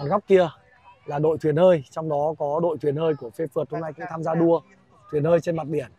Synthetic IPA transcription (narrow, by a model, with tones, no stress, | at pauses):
a˨˩nɣa˦˥k͡p̚ki˧ə | laː˨˩ɗo̰˧˨jt̪ʰwi˨˩ənhəː˧jt͡ɕɔ˧wŋ͡mɗɔ˨˦kɔ˨˦ɗo̰˧˨t̪ʰwi˨˩ənhəː˧jku˧˩əfe˧fɨ˨˩t̚hə˧ŋ͡mna˧jkʊ̰˧˥ŋt̪ʰaː˧mzaː˧ɗu˧ə | t̪ʰwi˨˩ənhəː˧jt͡ɕe˧nma˨˩t̚ɗi˧˩ən